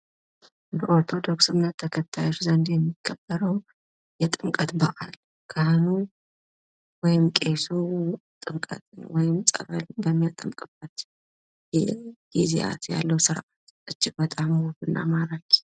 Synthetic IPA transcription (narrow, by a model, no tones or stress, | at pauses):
bəʔo̞ɾt̪ʰo̞d̪o̞ksɨnːət̪ʰːəkʰət̪ʰːajot͡ʃuzɐnd̪jɛmːikʰːəbəɾəw | jɛt̪ʼɨŋkʼət̪bɐʔa̰l | kʰahnu | wɔjɪmkʼe̞sut̪ʼɨŋkʼə̰t̪ʼɨwɔjɪmt͡sʼɐ̰βəlbəmːijat̪ʼɨmkʼɨb̥ːət̪ | jɛɡ̥izḛʔa̰t̪ja̰lːəwsɨɾʔat̪ | ʔɨt͡ʃːɪkbət̪ʼamwobɨnːʔa̰maɾaɡ